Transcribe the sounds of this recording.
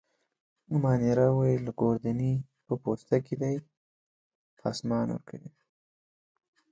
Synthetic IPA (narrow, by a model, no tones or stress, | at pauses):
mɑniɾawajilaɡoɾd̪ani | pəpost̪aked̪aj | pɑ̰smɑnwə̰ɾkʰəwi